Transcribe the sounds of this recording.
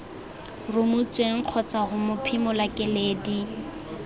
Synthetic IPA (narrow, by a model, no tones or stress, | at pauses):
rʊmut͡sʼweŋ̩q͡χʰɔt͡saɣʊmʊpʰɪmʊlakʼɪleːdi